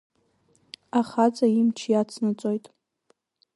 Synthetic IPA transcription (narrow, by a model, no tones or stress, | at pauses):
aχad͡zʼaimt͡ʃʰjat͡sʰnɨt͡sʷʼojtʼ